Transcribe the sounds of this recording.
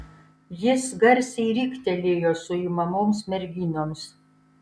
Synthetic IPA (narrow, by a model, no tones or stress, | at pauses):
jɪsɡɐɾʲsʲɛɪɾʲiːkt̪ʲɛlʲeːjoːsʊiːmɐmoːmsmʲɛɾʲɡʲiːnoːms